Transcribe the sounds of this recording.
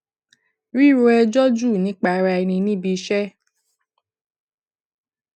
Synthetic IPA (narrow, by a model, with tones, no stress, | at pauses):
ɾi˦˨ɾo˧ɛ˧d͡ʒɔ˦d͡ʒu˦˨nĩ˨˦k͡pa˧ɾa˧ɛ˧nĩ˧nĩ˦bi˧ʃɛ˦